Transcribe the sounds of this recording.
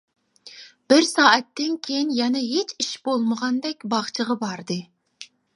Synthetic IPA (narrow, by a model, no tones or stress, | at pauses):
b̥ɪɾsɑːʔɛt̪ʰːɪnkʲʰejinjɛnɛɦet͡ʃʰiʃb̥olˠməʁɑnd̪ɛkʲbɑχt͡ʃʰəʁɑbɑɾd̪ɨ